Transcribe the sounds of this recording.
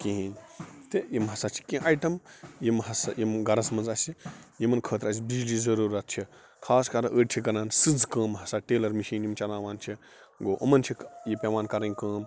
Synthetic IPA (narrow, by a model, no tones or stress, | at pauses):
kĩɦinʲt̪ejimɦɐsat͡ʃʰi̥kʲĩʔajʈɐmjimhɐsɐ̰jimɡɐɾɐsmɐnzɐsijimɐnkʰəːt̪ɾɐs̬ʲibid͡ʒliːzɐɾuːɾɐt̪̚t͡ʃʰi | kʰaːskɐɾʔəːɖt͡ʃʰikɐnaːnsɨd͡zkə̃ːmɦɐsaʈeːlɐɾmiʃiːnjimt͡ʃɐnaːʋaːnt͡ʃʰi | ɡoːʔɐmɐnt͡ʃʰijipʲeʋaːnkɐɾɐnʲkəːm